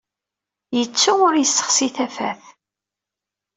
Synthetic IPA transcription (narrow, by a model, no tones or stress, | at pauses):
jət͡sːuʊɾjəsːə̥χsiθæfæ̰θ